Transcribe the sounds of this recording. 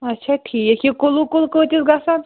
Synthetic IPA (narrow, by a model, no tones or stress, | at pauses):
ɐtːʃʰaʈʰiekikolukolkət̪ʲisɡasan